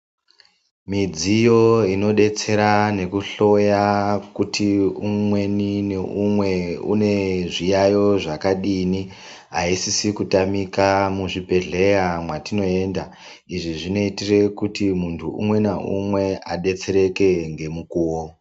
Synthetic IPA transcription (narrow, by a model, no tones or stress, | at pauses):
mid͡zijo̞ino̞ɗe̞t͡se̞ɾane̞kuɬo̞jakutʰiumwe̞nineumwe̞ṵne̞ʐijajo̞ʐakaɗini | ɦaisisikutamikamuʐipe̞ɮe̞jamwatino̞e̞ːnda | iʐiʐino̞itire̞kutimuntʰuṵmwe̞neṵmwe̞aɗe̞t͡se̞ɾe̞ke̞ŋɡe̞mukuːwo